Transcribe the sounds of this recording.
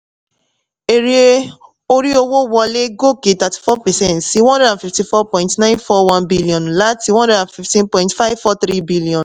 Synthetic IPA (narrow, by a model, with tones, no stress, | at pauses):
e˨ɾi˦e˦ | o˦ɾi˦o˦wo˦wɔ˧le˦ɡo˦ke˨ta˨ti̥˨fɔ˦pɛ˨sɛ̃˦˨ntsi˦wɔ̃˦ndɛ˦dã˨nfi˨fti˨fɔ˦pɔ̃˨ɪ̃ntnã˦ɪ̃nfɔ˦wã˦nbi˦li˨ɔ̃˨nla˦ti˨wɔ̃˦ndɛ˦da˨fi˨ftĩ˦npɔ̃˨ɪĩntfa˦ɪvfɔ˦θɾi˦bi˦li˨ɔ̃˨n